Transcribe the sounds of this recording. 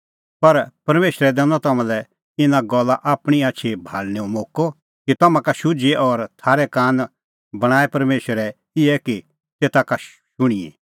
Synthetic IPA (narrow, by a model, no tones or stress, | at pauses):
pɐɾpɐɾmeːʃɾɛd̪ɛ̃nɔ̃t̪ɐmãlɛ | ɪnãɡɔlːaʔaːpɽ̃iaːt͡ʃʰibʱaːlniõmoːkɔ | kit̪ɐmãkaʃʊd͡ʒeʔɔːɾt̪ʰaːɾɛkaːn | bɐɽ̃aːɛpɐɾmeːʃəɾɛ | ɪɛki | t̪eːt̪aka | ʃʊɽ̃iḛ̃